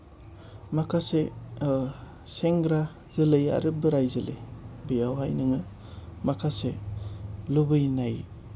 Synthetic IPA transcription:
makʰase | seŋɡɾa | zɯlɯja̰ɾɯbɯɾajzɯlɯ̰jbijawajnɯŋɯ | makʰase | lubɯjnaj

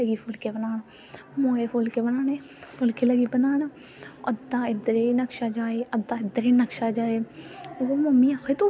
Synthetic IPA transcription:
əɡiːfʰʊlkeːbənaːn | moːeːfʰʊlkeːbənaːneː | fʰʊlkeːləɡiːbənaːn | əd̪ãːɪd̪ɾeːnəkʃaːd͡ʒaːeːəd̪ãːɪd̪əɾeːnəkʃaːd͡ʒaːeːʋoːməmiːaxet̪uː

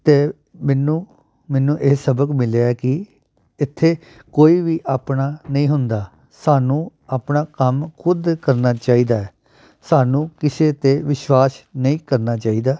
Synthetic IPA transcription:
t̪eː | mɛːnũː | mɛːnũːʔeːsəbəkmɪleaɛːkɪ | ɪt̪ʰːeː | koːiːʋiːʔaːpnaːnəĩːɦʊnd̪aː | saːnũːaːpnaːkəmkʰʊd̪kəɾnaːt͡ʃaːiːd̪aːɛː | saːnũːkɪseːt̪eːʋɪʃwaːsnəĩːkəɾnaːt͡ʃaːiːd̪aː

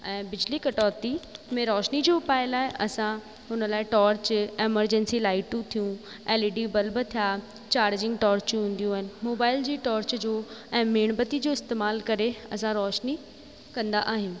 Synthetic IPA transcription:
ɛ̃ːbɪd͡ʑlikɐʈɔːt̪imẽɾɔːʃnid͡ʑoːpaːɪlaːɦeʔɐ̰sã | ɦʊnəlaːɪʈɔːɾt͡ɕeːməɾd͡ʑɛ̃nsilaːɪʈũt̪ʰijũ | eːliɖibɐlbɪt̪ʰija | t͡ɕaːɾd͡ʑɪ̃ŋɡʈɔːɾt͡ɕũɦũːnd̪ijũaːɦɪnɪ̆moːbaːɪld͡ʑiːʈɔːɾt͡ɕd͡ʑoːɛ̃ːmeːɽ̃bət̪id͡ʑoːɪst̪eːmaːlkɐɾeɐsãɾɔːʃni | kɐ̃nd̪aʔaːɦɪũ

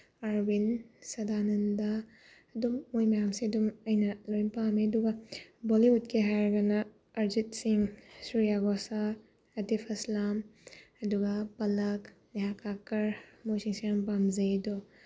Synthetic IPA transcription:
aɾbinsɐdanɐndaː | dumːojmɐjamsiɐdumɐjnɐlojnpameɐduɡɐboliut̚kʰeɦajɾɡɐnɐː | ɾzit̚siŋsuɾijaɡɔsa | ɐtipʰɐslamɐduɡɐpɐlɐkneɦakakɐɾmojsiŋsijampamzɐdɔ

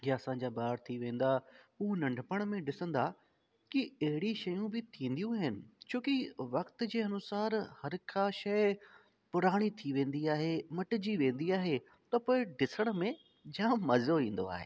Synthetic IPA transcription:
jɐsãːɲ̆d͡ʑaːbaːɾt̪ʰiʋẽːn̆d̪auːnɐ̃ɳɖʱpəɽ̃mẽɖɪsə̃nd̪a | kiɐɦɪɽiʃɐjũbɪt̪ʰĩːn̆d̪ijũaːɦɪnɪ̆t͡ɕʰoːkiʋɐkt̪̆d͡ʑeːɐnʊsaːɾhɐɾkʰãʃɐɪ | pʊɾaːɽ̃it̪ʰiʋẽːnd̪iaːɦemɐʈɪd͡ʑiʋẽːn̆d̪iaːɦe | t̪ɐpoːɪɖɪsəɽ̃mẽ | d͡ʑãːmɐzoĩːn̆d̪o̰a̰ːɦḛː

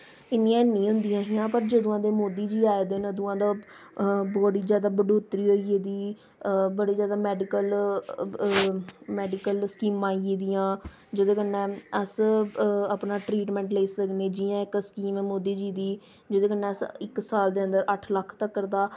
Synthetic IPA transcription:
ɪnːĩãːnĩːɦʊ̃nd̪ijãːɦijãːpəɾd͡ʒəd̪õãːd̪eːmoːd̪iːd͡ʒiːaːed̪eːnəd̪õːãːd̪aː | bɔːɽiːzjaːd̪aːbəɖoːt̪ɾiːɦoːieːd̪iː | bəɽiːzjaːd̪aːmɛːɖɪkəl | mɛːɖɪkəlskiːmːãːieːd̪ijãː | d͡ʒəd̪õːkənːɛ̃ːəs | əpnãːʈɾiːʈmɛ̃ːɳʈleːsəkneːd͡ʒɪjãːɪkskiːmɛ̃ːmoːd̪iːd͡ʒiːd̪iː | d͡ʒəd̪õːkənɛ̃ːəsɪksaːld̪eːə̃nd̪əɾəʈʰləkʰt̪əkːəɾd̪aː

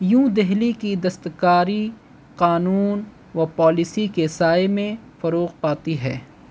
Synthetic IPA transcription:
jũd̪ɛɦlikid̪ɐst̪kaːɾi | qaːnuːn | ʋɐpaːlɪsikesaːemẽ | fɐɾoːqpaːt̪iɦɛː

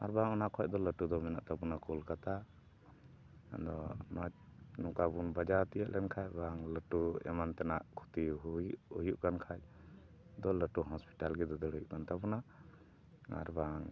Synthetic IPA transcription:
a̰ɾbaŋɔnakʰɔj̚d̪ɔləʈud̪ɔmɛna̰ʔt̪abunakulkat̪a | d̪ɔnɔt͡ʃ̚nukabunbad͡ʒat̪ijəʔlɛnkʰajbaŋləʈuɛ̰mant̪ɛnaʔkʰu̥t̪iʔujuʔɡankʰaj̚ | d̪ɔləʈuɦɔspi̥ʈalɡɛd̪ɔd̪əɽujuʔɡant̪apuna | a̰ɾbaŋ

